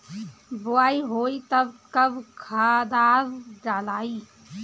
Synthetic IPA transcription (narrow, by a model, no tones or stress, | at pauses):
bʊaːiɦoːit̪ɐbkɐbkʰaːd̪aːɾɖalaːiː